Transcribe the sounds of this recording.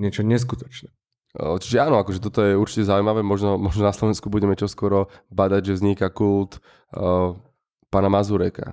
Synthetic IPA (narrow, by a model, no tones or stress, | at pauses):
ɲɪɛt͡ʃɔɲɛs̬kut̪ɔ̥t͡ʃnɛ | t͡ʃi̥ʒɛaːnɔakɔʒɛt̪̬ɔt̪ɔjɛuɾt͡ʃi̥cɛzaujmaʋɛːmɔʒnɔmɔʒnɔnaslɔʋɛnskubuɟɛmɛt͡ʃɔskʊɔɾɔbad̪aɟʒɛvzɲikakult̪ | paːnamazuɾɛka̰